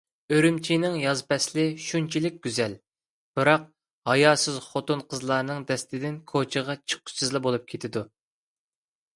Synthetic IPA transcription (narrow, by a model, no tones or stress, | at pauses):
øɾymt͡ʃʰinɪŋjɑzpɛslɪʃunt͡ʃʰilɪk̚ʲɡʲyzɛl | b̥ɨɾɑq̚ | hɑjɑːsɪzχot̪unqʰəzlˠɑːɾnɨŋd̪ɛst̪ɪd̪ɪnkʰot͡ʃʰəʁɑt͡ʃʰə̥qʰːʊ̥sɨzlˠɪbolˠup̚kʲʰet̪ʰɪd̪u